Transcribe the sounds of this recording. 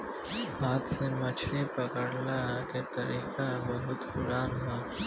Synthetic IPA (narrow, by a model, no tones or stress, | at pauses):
bʱaːt̪semət͡ʃʰɾipəkəɽlaɦket̪əɾiːkabəɦʊt̪pʊɾaːnɦa